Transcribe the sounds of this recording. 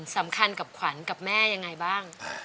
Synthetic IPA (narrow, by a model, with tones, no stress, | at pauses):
nsa˩˦mkʰa˧nka˨˩p̚kʰwa˩˦nka˨˩p̚mɛː˥˩ja˧ŋːa˧jbaː˥˩ŋ